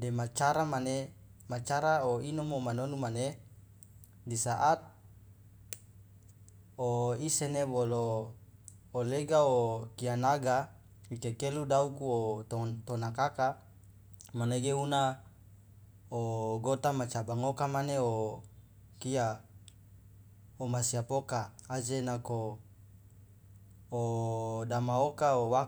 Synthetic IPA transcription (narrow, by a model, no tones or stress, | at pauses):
demat͡ʃaɾamanemat͡ʃaɾaoinɔmomanonumane | disaʔat̪̚ | oisenebolo | leɡaokianaɡa | ikekeludaukuot̪ot̪onakaka | maneɡeuna | oɡot̪amat͡ʃabaŋokamaneo | kia | omasiapokaːd͡ʒenako | odamaokaowa